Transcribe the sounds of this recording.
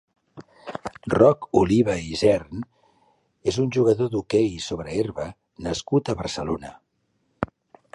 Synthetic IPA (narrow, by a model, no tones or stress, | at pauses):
rɔkuliβ̞əizɛɾn | ezunʲʒuɣ̞əðoðukɛjsoβɾəeɾβə | nəskut̪əβəɾsəlonə